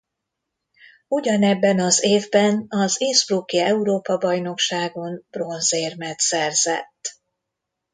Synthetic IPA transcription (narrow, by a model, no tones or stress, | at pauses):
uɟɒnɛbːɛnɒzeːvbɛnɒzeːsbrukiɛuɾoːpɒbɒjno̞kʃaːɡo̞nb̥ro̞nzeːrmɛt̪sɛrz̥ɛ̰t̪ː